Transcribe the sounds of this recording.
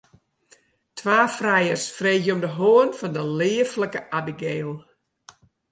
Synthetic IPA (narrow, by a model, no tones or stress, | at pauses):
tʰwaːfrɛjərsfreːɣjəɔmdəɦoənfɔndəlɪːəfləkəʔabiɡeːlˠ